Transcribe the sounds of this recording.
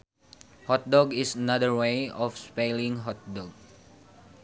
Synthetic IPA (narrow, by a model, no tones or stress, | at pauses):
hɔt̪̚dɔɡisənadəɹweɔfspelĩŋɦɔt̪̚dɔɡ̚